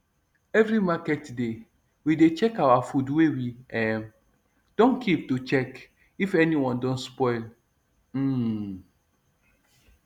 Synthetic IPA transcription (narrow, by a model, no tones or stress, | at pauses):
ɛvɾimakɛtde | widet͡ʃɛkawafudwewiɛm | d̥õnkʰip̚tut͡ʃɛk | ifɛnĩwɔ̃ndɔ̃nspɔɪl̩